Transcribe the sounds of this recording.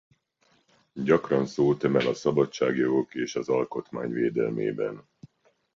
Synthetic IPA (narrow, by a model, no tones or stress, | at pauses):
ɟɒkrɒnsoːt̪ømɛlɒsɒbɒt͡ʃːaːɡjo̞ɡo̞keːʃɒzɒlko̞t̪ma̰ːɲveːd̪ɛ̰lmḛːbɛ̰n